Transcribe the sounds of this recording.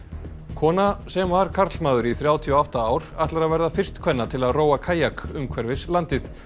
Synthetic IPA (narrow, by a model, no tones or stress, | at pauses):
kʰɔːnasɛmvaɾ̥kʰaɾt̪lmaːðʏɾiθɾjaːwt̪ʰiɔaht̪aaːwɾ̥aht̪laɾaðvɛɾðafɪr̥st̪kʰvɛnːat̪ʰɪlaðroːwakʰaːjakʏmkʰvɛɾvɪslant̪ɪθ